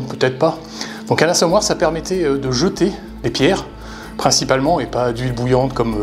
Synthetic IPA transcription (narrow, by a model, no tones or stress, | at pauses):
pøt̪ɛt̪χpa | d̪ɔ̃kãlãsɔmwaʁsapɛʁmɛt̪ɛød̪əʒət̪e | d̪epjɛʁ | pχɛ̃sipalmɑ̃epad̪ɥilbujɑ̃t̪kɔmø